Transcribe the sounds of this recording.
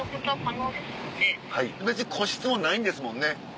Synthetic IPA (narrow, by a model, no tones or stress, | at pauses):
okot̪akajod̪esɨonehaibet͡sɨɲikʰo̞ɕi̥t͡sɨmo̞naĩnd̪esɨmõ̞nːe̞